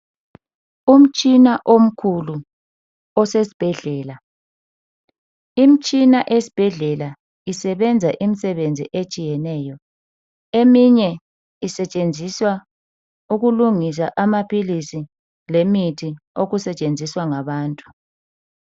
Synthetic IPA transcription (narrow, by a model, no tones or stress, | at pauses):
um̩t͡ʃʼinaʔom̩kʰulu | ɔsesi̥b̥ʱɛɮɛːla | im̩t͡ʃʼinaʔesi̥b̥ʱɛɮɛla | isɛβɛnd͡zʱaʔimisɛβend͡zʱḭʔet͡ʃʼijɛnɛːjɔ | emiɲɛ | isɛt͡ʃʼend͡zʱiswa | uɣuluŋis̬aʔamapʰilisi | lemitʰioɣusɛt͡ʃʼend͡zʱiswaŋaβaːntʼu̥